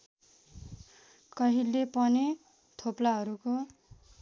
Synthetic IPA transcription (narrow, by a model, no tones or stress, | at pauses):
kʌɦilepʌne | t̪ʰoplaɦʌɾuko